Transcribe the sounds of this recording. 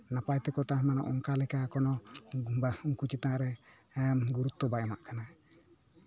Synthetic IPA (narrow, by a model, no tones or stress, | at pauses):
napajt̪ɛkɔt̪amanaʔɔŋkalɛkakɔnɔbauŋkut͡ʃit̪aɾɛɛmɡuɾut̪ːɔbajama̰ʔkana